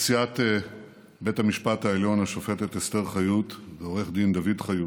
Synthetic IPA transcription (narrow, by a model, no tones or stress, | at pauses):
siat̪ | be̞thamiʃpataeljo̞naʃo̞fe̞tet̪est̪e̞ʁχajutveo̞ʁe̞χd̪ind̪avidχaju